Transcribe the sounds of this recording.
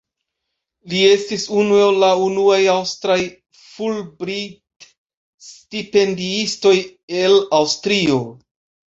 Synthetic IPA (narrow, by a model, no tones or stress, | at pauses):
lie̞stisunuellaunuajawstɾaj | fulbɾit | stipe̞ndiisto̞jelawstɾio̞